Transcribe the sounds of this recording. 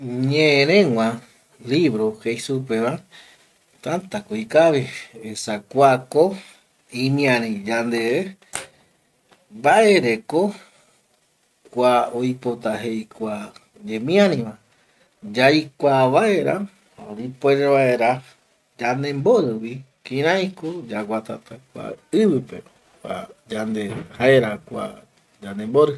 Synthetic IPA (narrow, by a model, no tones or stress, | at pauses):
ɲẽẽɾẽŋʷã | liβɾohejsupeβa | t̪ant̪akoikaβiesakʷako | ĩmĩãɾĩd͡ʒand̪ee | baʔeɾeko | kʷaojpot̪aɦejkʷa | d͡ʒemĩãɾĩʋã | d͡ʒajkʷaβae̞ɾa | oɾipoeɾeβaeɾa | d͡ʒand̪e̞mboɾɨwi | kĩɾ̃ãjkod͡ʒaɡʷat̪a̰t̪akʷa̰ɨβɨpe̞̰ | kʷa̰d͡ʒand̪ehaeɾakʷa̰ | d͡ʒand̪e̞mboɾɨ